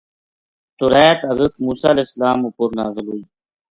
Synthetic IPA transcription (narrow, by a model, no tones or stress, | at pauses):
t̪uɾɛːt̪ɐzət̪muːsaːleslaːmupuɾnaːzəlɦuːiː